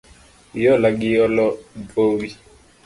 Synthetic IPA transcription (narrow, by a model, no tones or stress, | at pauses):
jɔlaɡɪɔlɔpowi